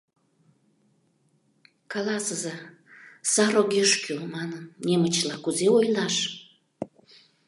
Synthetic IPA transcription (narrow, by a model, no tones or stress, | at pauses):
kɑlɑsəzɑ | sɑɾoɣeʃkymɑnənːʲemət͡ɕlɑkuzeojlɑʃ